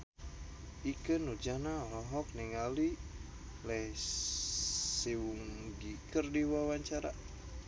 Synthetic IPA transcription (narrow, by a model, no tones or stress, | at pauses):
ikənud͡ʒanalɔɦɔk̚niŋali | lɛh | siwuŋɡikərdiwawaɲt͡ʃaɾa̰